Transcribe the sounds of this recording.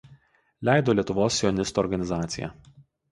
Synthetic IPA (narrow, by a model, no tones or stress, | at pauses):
lʲæˑɪd̪oːlʲiɛt̪ʊʋoːsʲːjɔnʲɪst̪uɔɾɡɐnʲɪzɑːt̪sʲɪjæ̰ː